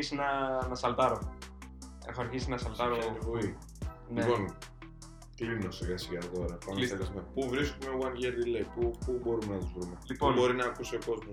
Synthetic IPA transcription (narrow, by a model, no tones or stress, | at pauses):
isinɐnɐsɐlt̪ɐɾo | ḛxoɐɾçisinɐsɐlt̪ɐɾovui | niepo̞n | t̪ilimnoseɾɣɐsiɣɐðo̞ɾɐpɐnlielizmepuvɾiskumeuɐnʝeɾðileipupubo̞ɾumenɐt̪uzvɾumelipoubo̞ɾinɐːkusioko̞zmos